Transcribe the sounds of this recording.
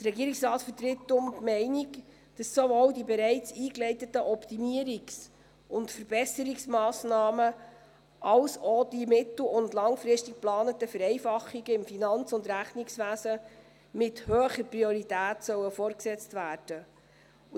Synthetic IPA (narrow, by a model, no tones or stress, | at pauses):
d̥̪ərɛɡiːɾɪksrɑːtfətɾɪtːʊmmɛɪnik | d̥ɑsːovoːwdibɛɾɛɪt͡siːklɛɪtətəʔɔptimiəɾiks | ʊntfəɾb̥ɛsəɾiksmɑːsnɑːmə | ɑlsɔd̥imɪt̪l̩ʊndlɑŋfɾɪstik̚plɑːnətəfəɾɛɪfɑχːiɡəɪmfinɑnt͡sʊndɾæχnɪksʋæːsə | mɪthœːχəɾpɾiɔɾitæːtsœwəfɔːɾksɛt͡stvæːd̥ə